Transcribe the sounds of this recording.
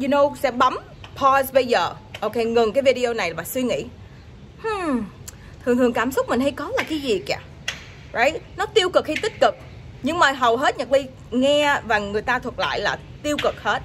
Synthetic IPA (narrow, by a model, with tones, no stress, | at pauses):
ju˧no˧wsɛ̰˧˥ɓa˨˦m | pʰɔ˧zɓə˧jzəː˨˩ʔo˧wke˧jŋɨ˨˩ŋkaː˨˦vi˧ɗi˧o˧na˨˩jvaː˨˩swi˧ŋḭ˧˥ | h̩˧˩ | t̪ʰɨ˨˩ŋt̪ʰɨ˨˩əŋkaː˧˩msʊ˦˥k͡p̚mï˨˩ŋ̟ɦa˧jkɔ˨˦laː˨˩kaː˨˦jzi˨˩kaː˨˩ | zə˧˦jnɔ˨˦t̪i˧əwkɨ˨˩k̚hi˧jt̪ï˦˥t̚kɨ˨˩k̚ | ɲɨ˧ŋmaː˨˩ɦə˨˩wɦe˦˥t̚ɲə˨˩k̚ɗi˧ | ŋɛ˧vaː˨˩ŋɨ˨˩əjt̪aː˧t̪ʰwə˨˩t̚la̰ː˧˨jla̰ː˨˩ | t̪i˧əwkɨ˨˩k̚he˦˥t̚